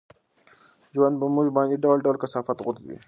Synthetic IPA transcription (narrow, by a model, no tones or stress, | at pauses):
ʒuwand̪bamuʒbɑ̃ːnd̪iɖawlɖawlkasɑːfat̪ɣʊt̪wḭ